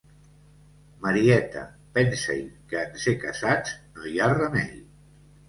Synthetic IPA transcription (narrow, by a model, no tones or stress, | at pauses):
məɾiɛt̪ə̰ | pɛnsə̰jkəːnsekəzad͡znojarəmɛʎ